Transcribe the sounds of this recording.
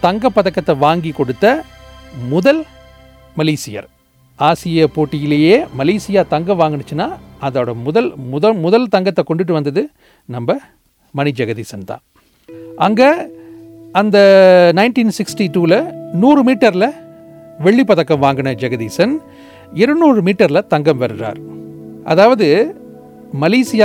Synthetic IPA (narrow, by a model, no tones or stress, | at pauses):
t̪ɐŋɡɐpːɐðɐkːɐt̪ːɐʋaːŋɡikɔɽɯt̪ːɐ | mʊðɐl | mɐliːsɪjɐ̰ɾ | aːsɪjɐpoːʈːɪjɪlɐjeːmɐliːsɪjaːt̪ɐŋɡɐʋaːŋɡɐɳɯt͡ʃːɯnːaːɐðɐːɽɐmʊðɐlmʊðɐmʊðɐlt̪ɐŋɡɐt̪ːɐkɔɳɖɪʈ̬ːɯʋɐnd̪ɐðɯ | nɐmbɐ | mɐnɪd͡ʒɐɣɐðiːsɐnt̪ã̰ː | ʔɐŋɡe | ɐnd̪ɐnɐɪnʈiːnsɪksʈiʈuːlɐnuːɾɯmiːʈːɐɾɪlɐ | ʋɛɭːipːɐðɐkːɐmʋaːŋɡɐɳɐd͡ʒɐɣɐðiːsɐn | ɪɾɯnuːɾɯmiːʈːɐɾlɐt̪ɐŋɡɐmʋɐɾɯɾa̰ːɾʔɐ̰ðaːʋɐðɯ | mɐleːsɪjaː